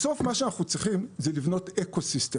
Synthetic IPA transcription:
so̞fmaʃeanaχnut͡sʁiχimzelivno̞tekosist̪e

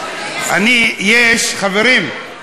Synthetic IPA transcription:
anijeʃχaveɾim

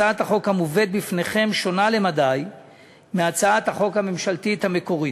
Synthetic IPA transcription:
aat̪haχo̞khamuve̞d̪̚bifneχe̞mʃo̞nale̞mad̪aj | meat͡saat̪haχo̞khamemʃalt̪it̪hame̞ko̞ʁi

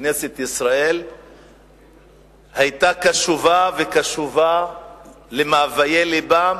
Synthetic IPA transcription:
ne̞se̞t̪isʁael | hajt̪akaʃuvavekaʃuva | lemaːvajeliba

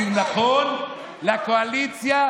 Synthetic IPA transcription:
inapɔn | lakoalit͡sja

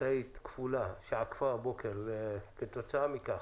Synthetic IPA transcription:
ait̪kfulaʃaʕkfabokeɾkət̪ot͡saːmika

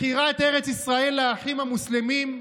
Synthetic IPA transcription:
iʁaet̪e̞ʁet͡sisʁae̞lːeaːχimamuslemim

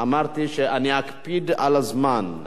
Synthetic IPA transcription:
amaɾt̪iʃeʔaniakpid̪a̰lazman

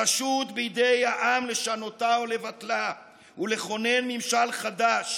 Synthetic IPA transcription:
aʃut̪bijd̪ejhaʔamle̞ʃano̞t̪aole̞vat̪la | ule̞χo̞ne̞nmimʃalχad̪aʃ

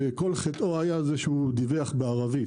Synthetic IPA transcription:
eko̞lχet̪ʔoajazeʃud̪iveaχbeaʁavi

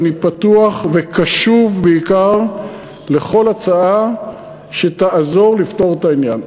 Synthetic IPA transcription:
nipatuaχvekaʃuvbeikaʁ | le̞χo̞lat͡saa | ʃe̞taʔazo̞ʁlifto̞ʁet̪ainjan

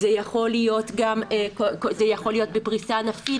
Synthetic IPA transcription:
zejaχo̞lijo̞tɡamekokozejaχo̞lijo̞t̚bepʁisanafi

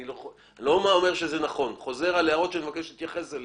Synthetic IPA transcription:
nilo | lo̞maome̞ʁʃe̞zenaχo̞nχo̞ze̞ʁaleaʁo̞t̪ʃeanmevake̞ʃlit̪jaχe̞sel

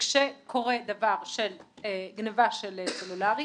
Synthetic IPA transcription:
kʃekʰo̞ʁed̪avaʁʃeleɡnevaʃeleselulaʁj

